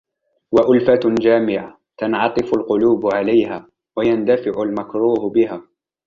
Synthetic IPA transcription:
waʔʊlfad͡ʒaːmɪʕa | t̪ɑnʕɑt̪ˤɨfʊlqʊluːbʕalajhaː | wajand̪afɪʕʊlmakɾuːhbɪɦaː

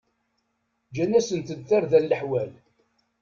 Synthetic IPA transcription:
d͡ʒænːæsənt̪əd̪θaɾðælːəħwæl

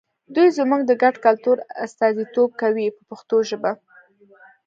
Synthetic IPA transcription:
d̪ujzmuɡd̪əɡaɖkalt̪uɾa̰st̪ɑzit̪ob̚kawipəpaxt̪oʒəba

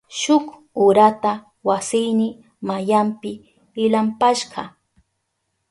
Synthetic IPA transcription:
ʃʊk | ʊɾat̪a | wasɪjnɪ | majampɪ | ɪlampaʃɢɑ

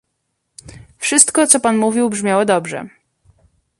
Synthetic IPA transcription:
fʂɘst̪kɔt̪sɔpanmuvʲiwbʐmʲjawɔd̪ɔbʐɛ̰

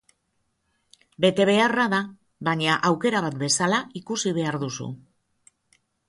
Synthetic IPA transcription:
be̞t̪e̞β̞e̞araða | βaɲaʔawke̞ɾaβat̪̚be̞salaikusiβe̞aɾðusṵ

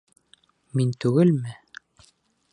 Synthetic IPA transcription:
mint̪ʉɡɘlmɘ

